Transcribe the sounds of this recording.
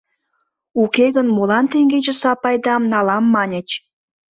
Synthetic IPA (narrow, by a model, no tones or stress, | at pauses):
ukeɣənmolɑnt̪eŋɡed͡ʑĕsɑpɑjd̪ɑmnɑlɑmːɑnʲĕt͡ɕ